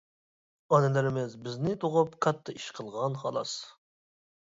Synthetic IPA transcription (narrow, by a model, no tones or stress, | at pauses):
ɑnɪlɪɾɪmɪzbɪznɪt̪ʰoʁʊpkʰɑt̪ʰːɑiʃqʰəlˠʁɑnχɑ̰lˠɑ̰s